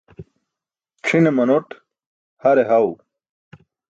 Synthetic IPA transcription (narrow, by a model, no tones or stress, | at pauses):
ʈ͡ʂʰinemɐnoʈ | hɐɾeɦɐw